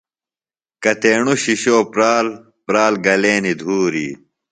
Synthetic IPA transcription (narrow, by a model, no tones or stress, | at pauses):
kɐt̪eːɳuɕiɕoːpɾaːl | pɾaːlɡɐleːnid̪ʱuːɾḭː